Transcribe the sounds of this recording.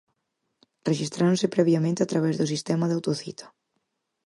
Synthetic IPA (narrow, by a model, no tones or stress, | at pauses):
reʃist̪ɾaɾõnsɪpɾɛβjamẽnt̪eat̪ɾaβɛzðʊs̬ist̪ɛmaðawt̪oθḭt̪ʰḁ